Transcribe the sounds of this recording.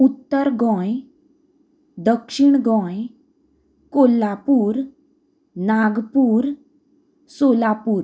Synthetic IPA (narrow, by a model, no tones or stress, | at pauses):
ut̪ːəɾɡɔ̃j | d̪əkʂiɳɡɔ̃j | kolːapuːɾ | naɡpuːɾ | solapuːɾ